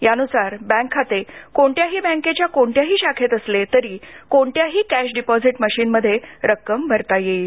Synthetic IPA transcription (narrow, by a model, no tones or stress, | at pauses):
janusaɾbɛ̃ŋkʰːat̪ekoɳʈ̪jaɦiːbɛ̃ŋket͡ɕjakoɳʈjaɦiːɕakʰet̪əslet̪əɾiːkoɳʈjaɦiːkæɕɖipɔd͡ziʈməɕiːnməd̪ʱːjeɾəkːəmbʱəɾt̪ajeiː